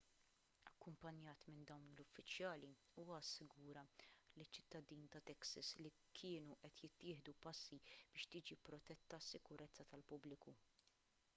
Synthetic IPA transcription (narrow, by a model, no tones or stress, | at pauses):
ɐkːʊmpɐnjɐːt̪mɪnd̪ɐwnlʊfːɪt͡ʃjɐːli | uːwɐɐsːɪɡuːɾɐlit͡ʃːɪ̥t̪ːɐd̪iːnt̪ɐt̪ɛksɐsli | kʰɪːnuʔɛt̪jɪt̪ːɪːħd̪upɐsːib̥ɪːʃt̪iːd͡ʒipːɾɔt̪ɛt̪ːɐsːɪkʊɾɛt͡sːɐt̪ɐlpʊblɪku